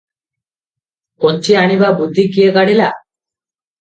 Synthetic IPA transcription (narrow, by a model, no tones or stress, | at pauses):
koɲt͡ʃiaɳ̃ibabud̪ʱːikijekaɽila